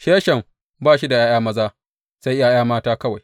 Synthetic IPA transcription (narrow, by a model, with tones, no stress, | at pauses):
ʃeː˦ʃɐ˨m | baː˦˨ʃi˦da˨j̰aː˦jaː˦mɐ˦zaː˦ | sa˦jjaː˦j̰aː˦maː˦taː˦kɐ˦wa˨j